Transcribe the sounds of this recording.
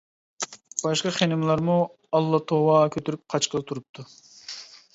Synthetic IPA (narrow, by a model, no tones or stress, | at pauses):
b̥ɑʃqɑχenɪmlˠɑɾmu | ɑlˠːɑt̪ʰowɑkʲʰøt̪ʰyɾyp̚qʰɑt͡ʃqəlˠɨt̪ʰuɾup̚t̪ʰu